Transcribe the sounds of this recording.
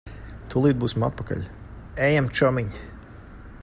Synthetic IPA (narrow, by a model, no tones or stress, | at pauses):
t̪ʰulˠiːd̪̚buːsʲima̰t̪̚paka̰lʲ | ɛjamt͡ʃɔmiɲʲ